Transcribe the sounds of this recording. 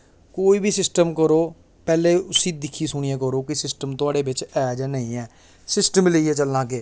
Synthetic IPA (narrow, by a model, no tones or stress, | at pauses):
koːiːbʱiːsɪsʈəmkəɾoː | pɛːleːʊsiːd̪ɪkʰːiːsʊɳ̃iãːk̬əɾoːkɪsɪsʈəmt̪ʊaːɽeːbɪt͡ʃɛːd͡ʒaːnəĩːɛː | sɪsʈəmleiɛːt͡ʃəlnãːkeː